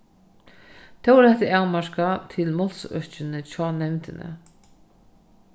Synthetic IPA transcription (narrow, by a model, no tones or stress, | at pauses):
t̪ʰɛwɛɾɛt̪aawmaɾkat̪ʰɪlmɔlsœt͡ʃɪnɪt͡ɕʰɔːnɛvnt̪ɪnɪ̰